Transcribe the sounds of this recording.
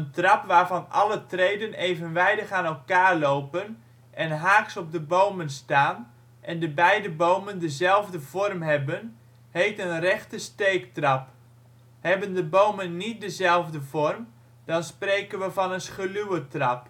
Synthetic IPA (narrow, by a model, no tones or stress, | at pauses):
əntrɑpʋaːɹvɑnʔɑlətrejdənejvənʋɛjdəχaːnɛlˠkaːɹlowpən | ʔɛnɦaːksɔp̚dəbowmənstaːn | ʔɛndəbɛjdəbowməndəzɛlˠvdəvɔrmɦɛbən | ɦejtənrɛχtəstejktrɑp | hɛbəndəbowmənːit̚dəzɛlˠvdəvɔrm | d̥ɑnsprejkənʋəvɑnənsχəlywətrɑp